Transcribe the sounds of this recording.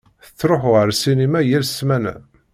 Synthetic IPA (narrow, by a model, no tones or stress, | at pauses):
θə̥t͡sːɾoħʁəɾsinimæjælsmænæ̰